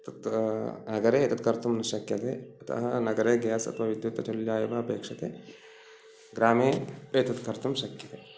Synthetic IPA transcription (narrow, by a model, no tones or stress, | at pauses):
t̪ɐt̪nɐɡɐɾeːet̪ɐt̪kɐɾt̪umnɐʃɐkjɐt̪eːɐt̪ʰɐ̰ɦɐnɐɡɐɾeːɡaːsɐ̰t̪ʰʋaːʋid̪jut̪ɐt͡ʃɐljaːjuʋaɐpeːkʂɐt̪eː | ɡɾaːmeːeːt̪ɐt̪kɐɾt̪umʃɐkjɐt̪e